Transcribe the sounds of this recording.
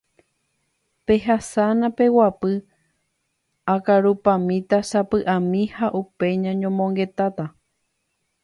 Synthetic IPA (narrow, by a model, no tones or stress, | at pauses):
pe̞ɦasanãpe̞wapɨ | akaɾupãmĩt̪asapɨʔãmĩhaʔupe̞ɲãɲõmõŋɡe̞t̪at̪a